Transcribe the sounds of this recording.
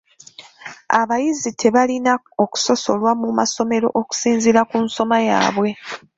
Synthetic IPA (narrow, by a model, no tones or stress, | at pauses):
aβajizitʰe̞βalina | oku̥so̞so̞lwamumaso̞me̞ɾo̞̰ʔoku̥siːnziɾakunso̞maja̰ːβwe̞